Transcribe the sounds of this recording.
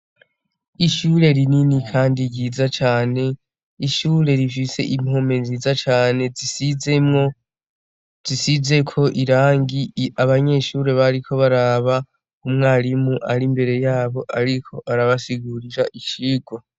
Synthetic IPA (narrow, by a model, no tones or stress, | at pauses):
iʃuːɾe̞ɾininikʰaːndiɾɟiːzat͡ʃaːne̞ | iʃuːɾe̞ɾifise̞̰ʔim̥ho̞me̞nzizat͡ʃaːne̞isiemo | z̥isize̞kʰo̞ʔiɾaːŋɡiaβaɲe̞ʃuɾe̞βaɾikʰo̞βaɾaβa | umŋaːɾimuʔaɾimbe̞ɾe̞jaːβo̞ʔaɾikʰo̞ʔaɾaβasiɡuɾiɾaʔiʃiːɡwa